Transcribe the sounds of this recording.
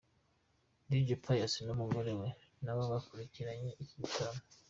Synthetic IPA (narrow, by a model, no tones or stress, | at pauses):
did͡ʒipʰajasinomuɡolewe | nawaβakuɾikiɾaɲeʔikitama